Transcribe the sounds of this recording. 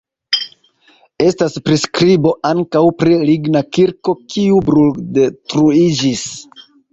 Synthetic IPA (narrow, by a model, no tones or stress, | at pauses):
e̞staspɾiskɾibo̞ʔaŋkawpɾiliɡnakiɾko̞kiubɾuldetɾuid͡ʒis